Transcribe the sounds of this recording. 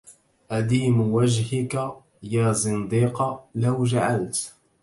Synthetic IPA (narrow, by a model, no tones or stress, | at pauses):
ʔad̪iːmwad͡ʒhɪka | jaːzˤɨnd̪iːqɑlawd͡ʒaʕalt̪